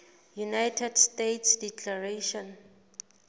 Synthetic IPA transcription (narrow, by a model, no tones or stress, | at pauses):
junajtʰɛdstetʰsdikʰlaɹeʃɔ̃n